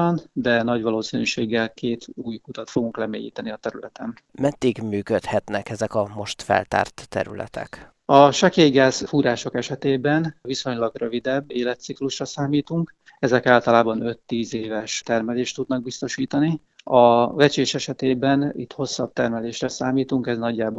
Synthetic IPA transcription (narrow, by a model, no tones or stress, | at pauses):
ɒnd̪ɛnɒɟʋɒloːsinyːʃeːɡːɛlkeːt̪ʰuːjkut̪ɒt̪fo̞ɡuŋklɛmḛːjḭːt̪ɛniɒt̪ɛɾylɛt̪ɛn | mɛd̪ːiɡmyːkøt̪hɛt̪nɛkɛzɛkɒmo̞ʃt̪fɛ̰lt̪a̰ːrt̪ːɛ̰ɾy̰lɛ̰t̪ɛ̰k | ɒʃɒkeːjɡaːzfuːɾaːʃo̞kɛʃɛt̪eːbɛnviso̞ɲlɒɡrø̞vid̪ɛbːeːlɛt̪sikluʃrɒsaːmiːt̪uŋk | ɛzɛkaːlt̪ɒlaːbɒnø̞t̪ːiːzeːvɛʃt̪ɛrmɛleːʃt̪ud̪nɒɡ̚bist̪o̞ʃiːt̪ɒni | ɒvɛt͡ʃeːʃɛʃɛt̪eːbɛnḭt̪ho̞sːɒb̚t̪ɛrmɛleːʃrɛsaːmiːt̪uŋkɛznɒɟːaːbo